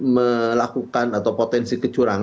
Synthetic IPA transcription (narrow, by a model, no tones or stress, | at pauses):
məlakukanat̪awpot̪ɛnsikə̥t͡ʃuɾaŋ